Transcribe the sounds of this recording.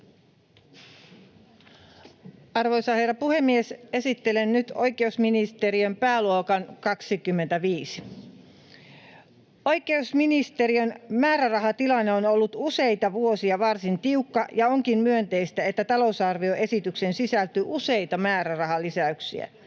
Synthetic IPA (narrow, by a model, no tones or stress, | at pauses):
ɑrʋojsɑhe̞rːɑpuhe̞mːiese̞sit̪ːe̞lennyt̪o̞jke̞usminist̪e̞ɾiømpæːluokɑnkɑksikymːe̞nt̪æʋiːsi̥ | o̞jke̞usminist̪eɾiønmæːɾærɑɦɑt̪ilɑnːeonolːut̪use̞jt̪ɑʋuo̞siɑʋɑrsint̪iukːɑʔjɑoŋkimmyønt̪e̞ist̪æet̪ːæt̪ɑlo̞usɑrʋio̞ʔe̞sit̪yksensisælt̪yʔuse̞jt̪ɑmæːɾærɑɦɑlisæyksḭæ̰